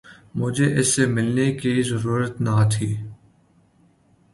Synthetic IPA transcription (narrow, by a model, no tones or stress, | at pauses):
mʊd͡ʒʱeʔɪsːemɪlnekizəɾuːɾət̪nat̪ʰiː